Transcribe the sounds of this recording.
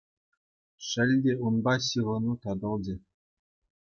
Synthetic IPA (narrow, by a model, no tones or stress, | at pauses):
ʂɘ̆lʲdʲeunbɑɕɯʁɤ̆nut̪ɑd̪ɤ̆lˠd͡ʑɘ̆